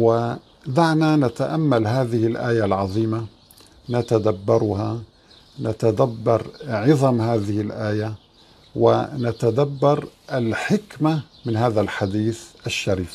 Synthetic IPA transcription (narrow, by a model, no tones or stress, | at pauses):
wɪ | d̪aʕnanat̪aʔamːalɦaːðɪhɪlʔaːjalʕɑðˤiːma | nat̪ad̪abːɑɾˤha | nat̪ad̪abːɑɾˤʕɪðˤɑmhaːðɪhɪlʔaːja | wɪ̰nat̪ad̪abːɑɾˤʔalħɪkma | mɪnhaːðalħad̪iːθʔaʃːaɾiːf